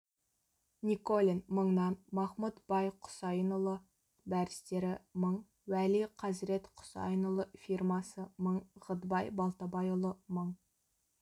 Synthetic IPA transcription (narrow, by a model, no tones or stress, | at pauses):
nʲikolʲinməɴnɑnmɑχmut̪b̥ɑjqʰʊ̥sɑjənəlˠə | bæɾɪst̪e̞ɾɪməɴ | wæliqʰɑzɾe̞t̪qʰʊ̥sɑ̰jənəlˠəfirmɑsəməɴʁəd̪bɑjbɑlˠt̪ɑbɑjolˠəməɴ